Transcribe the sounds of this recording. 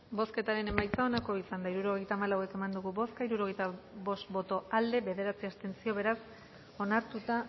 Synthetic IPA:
bo̞ske̞t̪aɾe̞ne̞majt͡sao̞nako̞isand̪aiɾuɾo̞ɣ̞e̞jt̪aːmalawe̞ke̞mand̪uɣubo̞skaiɾuɾo̞ɣ̞e̞jt̪aβo̞st̪bo̞t̪o̞ald̪e̞βe̞ðe̞ɾat͡siast̪e̞nt͡sio̞βe̞ɾas | o̞naɾt̪ut̪a

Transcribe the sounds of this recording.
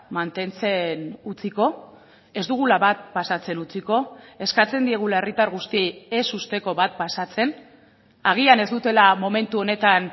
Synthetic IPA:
mant̪e̞nt͡se̞nut͡siko̞ | e̞zd̪uɣ̞ulaβat̪̚pasat͡se̞nut͡siko̞e̞skat͡se̞nd̪ie̞ɣ̞ulaerit̪aɾɣust̪ieesust̪e̞ko̞βat̪̚pasat͡se̞n | aɣ̞iane̞zd̪ut̪e̞lamo̞me̞nt̪uo̞ne̞t̪an

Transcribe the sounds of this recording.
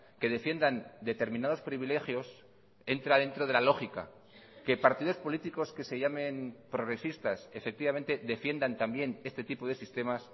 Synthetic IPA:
ke̞ðe̞fje̞nd̪and̪e̞t̪e̞ɾminað̞o̞spɾiβile̞xjo̞s | e̞nt̪ɾaðe̞nt̪ɾo̞ð̞e̞lalo̞xika̰ | ke̞paɾt̪iðo̞spo̞lit̪iko̞ske̞se̞ʝamẽ̞npɾo̞ɣɾe̞sist̪asefe̞k̚t̪iβame̞nt̪e̞ðe̞fje̞nd̪ant̪ambje̞ne̞st̪e̞t̪ipo̞ð̞e̞sist̪e̞mas

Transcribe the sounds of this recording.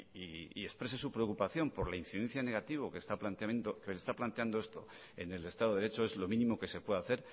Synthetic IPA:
iie̞spɾese̞supɾeokupaθjo̞mpo̞ɾlainsiðẽ̞n̟θjane̞ɣ̞at̪iβ̞okest̪aplant̪nd̪okelest̪aplant̪e̞and̪oest̪o̞̰ | e̞ne̞le̞st̪aðoðeɾet͡ʃo̞e̞zlo̞mĩnĩmo̞ke̞sepwe̞ðaθe̞ɾ

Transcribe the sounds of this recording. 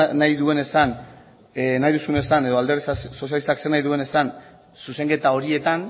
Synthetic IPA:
najðue̞ne̞san | najðusune̞sane̞ðo̞ald̪eresasso̞s̬jalist̪akse̞rnajðue̞ne̞san | suse̞ŋɡe̞t̪ao̞ɾie̞t̪an

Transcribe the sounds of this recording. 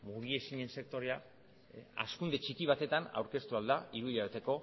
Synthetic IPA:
muɣie̞siɲe̞nse̞k̚t̪o̞ɾea | a̰skund̪e̞t͡ʃikiβ̞at̪e̞t̪ana̰wɾke̞st̪uald̪aiɾuβilʎaβet̪eko̞

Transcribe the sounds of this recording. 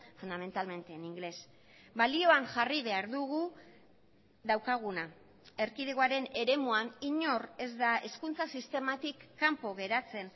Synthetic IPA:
fund̪ame̞nt̪alme̞nt̪eniŋɡle̞s | balio̞anʝariβe̞aɾðuɣu | ðawkaɣ̞una | e̞ɾkiðeɣoaɾe̞ne̞ɾe̞muaniɲo̞re̞zd̪ae̞skunt͡sasist̪e̞mat̪ikːampo̞ɣe̞ɾat͡se̞n

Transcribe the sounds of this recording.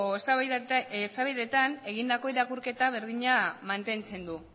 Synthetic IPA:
es | st̪aβiðe̞t̪ane̞ɣind̪ako̞iɾakuɾke̞t̪aβ̞e̞ɾðiɲamant̪e̞nt͡se̞nd̪u

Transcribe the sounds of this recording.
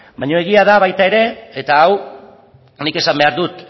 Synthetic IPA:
baɲo̞eɣ̞iaðaβajt̪ae̞ɾe̞ːt̪aːw | nike̞sambe̞aɾðut̪

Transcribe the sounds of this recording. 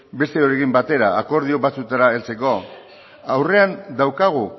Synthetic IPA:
be̞st̪e̞o̞ɾe̞kimbat̪e̞ɾaːko̞ɾð̞io̞βat͡sut̪aɾae̞lt͡se̞ko̞ | awre̞and̪awkaɣ̞u

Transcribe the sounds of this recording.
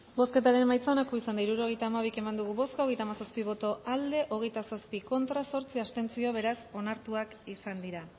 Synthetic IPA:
bo̞ske̞t̪aɾe̞nmːajt͡saonakoisand̪aiɾuɾo̞ɣ̞e̞jt̪aːmaβ̞ike̞mand̪uɣ̞uβo̞skaoɣejt̪aːmasaspiβ̞o̞t̪o̞ald̪e̞ʔo̞ɣ̞e̞jt̪asaspiko̞nt̪ɾaso̞ɾt͡siast̪e̞nt͡sio̞βe̞ɾaso̞naɾt̪uakisand̪iɾa

